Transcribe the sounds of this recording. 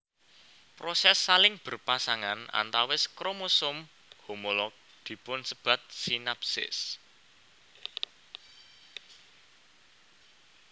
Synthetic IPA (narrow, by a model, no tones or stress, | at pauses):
pɾosɛsːalɪŋb̥ə̤rpasaŋana̰nt̪awɪskɾomosʊm | homolɔk̚ | d̪̥i̤pʊnsəb̥ä̤t̪̚sinapsɪ̰s